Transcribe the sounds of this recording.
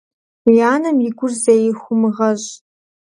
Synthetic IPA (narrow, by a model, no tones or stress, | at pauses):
jaːnɨmjɪɡʷʊrzejɪxʷʊmɨʁɐɕ